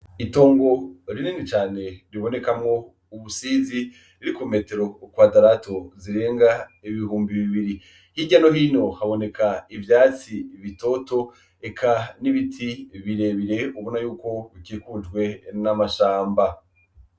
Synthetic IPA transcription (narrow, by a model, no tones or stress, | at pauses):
ito̞ːŋɡo̞ɾininit͡ʃaːne̞ɾiβo̞ne̞kamŋo̞ | uβusiːzi | iɾikume̞ːte̞ɾo̞kwaːdaɾato̞ziɾe̞ːŋɡaiβihuːmbiβiβiɾi | hiɟano̞ɦiːno̞haβo̞ne̞kʰaivjaːt͡siβito̞to̞ | ekʰaniβitʰiβiɾe̞βiɾe̞uβonajuːko̞βikikud͡ʒɡwe̞namaʃaːmba